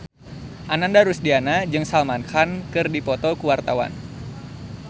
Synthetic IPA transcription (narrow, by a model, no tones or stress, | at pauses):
ʔanandaɾusdianad͡ʒɨŋsalmankʰankɨrdipɔt̪ɔkuwart̪awa̰n